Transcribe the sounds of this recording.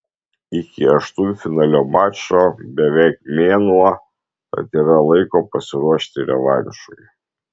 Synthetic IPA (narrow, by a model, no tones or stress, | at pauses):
ɪkʲɪɐʃt̪uːnʲfʲɪnɑːlʲoːmɑːt͡ʃoːbʲɛʋʲɛɪk̚mʲeːnuɐ | ɐ̰t̪ʲiːɾɐlˠɐɪkoːpɐsʲɪɾuɔʃʲt̪ʲɪɾʲɛʋɑnʲɪʃo